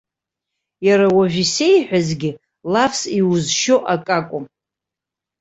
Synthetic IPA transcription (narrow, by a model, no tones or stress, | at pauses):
jaɾawaʒᶣise̞jħʷᶣazɡʲɪ | lafsiuzʃo̞ʔakʼakʷʼʊm